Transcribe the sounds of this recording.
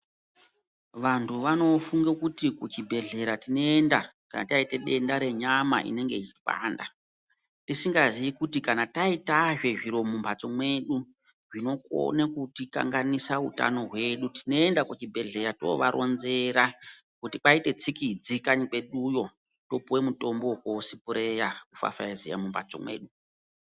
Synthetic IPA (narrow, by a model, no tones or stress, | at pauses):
ʋantʰuʋano̞fuŋɡekutikut͡ʃibʱe̞ɮe̞ɾatinoendakana̰taiteɗe̞ndaɾe̞ɲama̰ʔḭne̞ŋɡe̞it͡ʃi̥pa̰ːnda | tisiŋɡaziʋikutikanataitaʐe̞ʐiɾo̞mumbʱat͡so̞mwe̞ɗu | ʐino̞ko̰nekutika̰ŋɡanisaṵta̰no̞ɦwe̞ɗutino̞e̞ndakut͡ʃibʱe̞ɮe̞jato̞̰ʋa̰ɾʔo̞̰nze̞ɾa | kutiɓaite̞t͡sikid͡zikaɲike̞ɗujo̞ | to̞puwe̞muto̞mbo̞koːsipuɾe̞jakufa̰faizija̰mumba̰t͡so̞̰mwe̞̰ːɗu